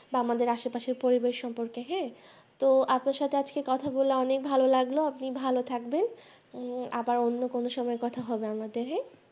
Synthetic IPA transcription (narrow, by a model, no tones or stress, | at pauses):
baamad̪eɾaʃopaʃeɾpoɾibeʃʃɔmpoɾkeɦɛ̃ | t̪oapnaɾʃat̪ʰead͡ʑkekɔt̪ʰaboleɔnek̚bʱalolaɡloapnibʱalot̪ʰakben | a̰baɾonːokonoʃɔmɔekɔt̪ʰaɦɔbeamad̪eɾɦɛ̃